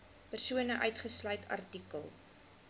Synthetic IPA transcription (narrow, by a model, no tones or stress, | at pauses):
pərsuənəʔœɥtχəslœjtʰɐ̰rtikəlˠ